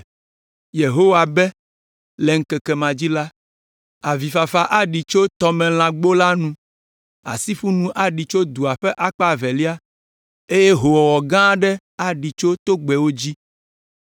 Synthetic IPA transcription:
je˨ɦo˦wa˨bɛ˦ | lɛ˨ŋ̩˦kɛ˨kɛ˨mã˨d͡ʑi˦la˦ | a˨vi˨fa˨fa˨ʔa˦ɖi˨t͡ʃo˦t̪ɔ˦mɛ̃˨l̃ã˨ɡ͡bo˦la˦nũ˦ | a̰˨si˦ɸu˦nũ˦ʔa˨ɖi˨t͡ʃo˦d̪u˨a˨ɸɛ˦ʔa˦k͡pa˨vɛ˨li˦a˦ | e˦je˦ɦo˨wɔ˨wɔ˨ɡã˦ɖɛ˦ | a˨ɖi˨t͡ʃo˦t̪o˦ɡ͡bɛ˨wo˦d͡ʑi˦

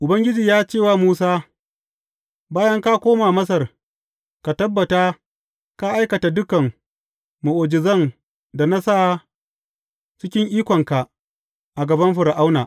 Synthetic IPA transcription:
ʔʊ˨bɐ˦ŋɡʲɪ˦d͡ʒiː˨jaː˦t͡ʃeː˦˨waː˦˨muː˦saː˦ | baː˦jɐ˦ŋka˦kʷoː˦maː˨mɐ˦s̬ɐ˨r | ka˨tɐ˦bːɐ˨taː˦ | ka˦ʔa˦jkɐ˨ta˨dʊ˦kɐ˨ŋ | mu˨ʔoː˨d͡ʒɪ˨zɐ˦ŋ | da˨na˦sa˦˨ | t͡ʃɪ˦kʲɪ˦ŋʔiː˦kʷɔ˨ŋka˨ | ʔa˨ɡɐ˨bɐ˦mɸʊ˨ɽa˨ʔa˦wnaː˨

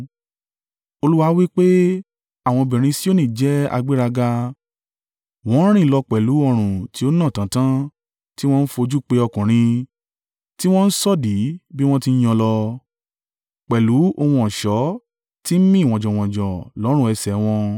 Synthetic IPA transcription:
o˧lu˦wa˧˦wi˦k͡pe˦ | a˨w̃ɔ̃˧bɛ̃˨ɾ̃ĩ˧si˦o˦nĩ˦˨d͡ʒɛ˦a̰˧ɡ͡bi˦ɾa˧ɡa˧ | w̃ɔ̃˨˦ɾ̃ĩ˦˨lɔ˧k͡pɛ˨lu˨˦ɔ˧ɾ̃ũ˨ti˧˦o˦nã˦˨tã˨˦tã˦ | ti˦w̃ɔ̃˦n̩˦fo˧d͡ʒu˦k͡pe˧˦ɔ˧kũ˨ɾ̃ĩ˧ | ti˦w̃ɔ̃˦n̩˦sɔ˦˨di˨˦bi˦w̃ɔ̃˦ti˧n̩˦j̃ɔ̃˧lɔ˧ | k͡pɛ˨lu˨˦o˧hũ˧ɔ̃˨ʃɔ˨˦ | ti˦m̩˦mĩ˦˨w̃ɔ̃˨d͡ʒɔ̃˨w̃ɔ̃˨d͡ʒɔ̃˨lɔ˨˦ɾ̃ɛ˧sɛ˨w̃ɔ̃˧

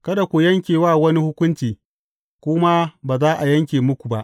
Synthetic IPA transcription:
kɐ˦da˨kʷu˨jɐ˦ŋkʲeː˨waː˦˨wɐ˦ni˦hʊ˦kʷʊ˦nt͡ʃiː˨ | kʷʊ˦ma˦baː˨zaː˦ʔa˨jɐ˦ŋkʲeː˨mʊ˦kʷu˨ba˦ʔ

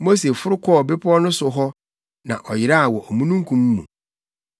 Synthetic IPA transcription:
mo˦se˨fʊ˦ɾʊ˦kʰɔ˦˨bɪ˦pʰɔ˦nʊ̃˦sʊ˨ɦɔ˦ | nã̰˨ʔɔ˨jɪ˨ɾa˦a˨wɔ˨ɔ˨mũ˦nũ˦ŋ˦kʰũ˨mː˦ṵ̃˨

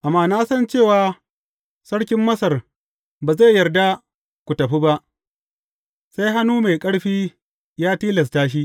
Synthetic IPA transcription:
ʔa˨mːaː˦naː˦sɐ˦nt͡ʃeː˦˨waː˨ | sɐ˦ɽkʲɪ˦mːɐ˦sɐ˨r | baː˨za˦˨jːɐ˨rda˦ | kʷu˨tɐ˨ɸi˦ba˦ʔ | sa˦jɦa˦nuː˦ma˨jkʼɐ˦ɽɸiː˦ | jaː˦tiː˦lɐ˨s̬taː˦ʃ̬i˦ʔ

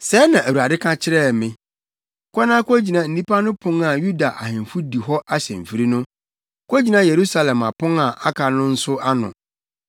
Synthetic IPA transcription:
sɛ˨˦nã˨æ˨wu˨a˨dɪ˦kʰã˦t͡ɕʰɪ˦ɾɛ˦˨mɪ̃˦ | kʰʷɔ˦nã˦kd͡ʑi˨nã˨n̩˦nĩ˦pa˦nʊ̃˦pʰʊ̃˦ŋa˨ju˦da˨ʔa̰˨hɪ̃˨m˨fu˦di˨ɦɔ˦ʔa˦ɕɛ̰̃˨m̩˨fi˨ɾi˦nʊ̃˦ | kʰo˦d͡ʑi˨nã˦je˨ɾu˦sa˦lɛ̃˨ma˨pʊ̃˦ŋa˨ʔa˦kʰa˨nʊ̃˦n̩˦sʊ˦a˦nʊ̰̃˨

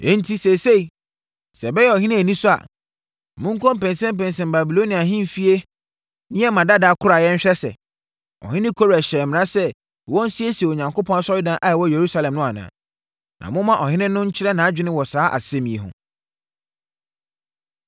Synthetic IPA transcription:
ẽ˦n̩˦tʰi˦sɛ˨se˦˨i˨ | sɛ˨bɛ˦jɛ˦ɔ˨ɦɪ̃˦nɪ̃˦æ˨nĩ˦sʊ˦a̰˨ | mʊ̃˦ŋ̩˦kʰɔ̃˦m̩˦pɛ̃˨nsɛ̃˦m˦pɛ̃˨n˨sɛ̃˨m˨ba˨bi˨lo˦nĩ˨a˨ɦɪ̃˦m˨fi˦e˦ | nɪ̃˦ɛ˦mã˨da˦da˨˦kʰʊ˦ɾa˨jɛ˦ɲ̩˦ɕᶣɛ˦sɛ̰˨ | ɔ̰˨hɪ̃˦nɪ̃˦kʰo˦ɾæ˨ɕɛː˨mɪ̃˨ã˦sɛ˦˨ | wɔ̃˦n̩˦si˦e˦si˨e˨o˨ɲã˨ŋkʰo˦pʰɔ̃˦na˦sɔ˦ji˦dã˨˦ʔa˨ɛ˨wɔ˦je˨ɾu˦sa˦lɛ̃˨mnʊ̃˦a˨nã̰˨ | nʔã̰˨mʊ̃˦mã˦ʔɔ˨hɪ̃˦nɪ̃˦nʊ̃˦ɲ̩˦t͡ɕʰɪ˦ɾɛ˦nã˨˦d͡ʑᶣɪ˦nɪ̃˦wɔ˨saː˨˦ʔa̰˨sɛ˦mĩ˨e˨ɦʊ̰̃˨

